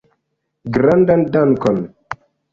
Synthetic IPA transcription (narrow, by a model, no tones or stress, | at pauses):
ɡɾandandankɔn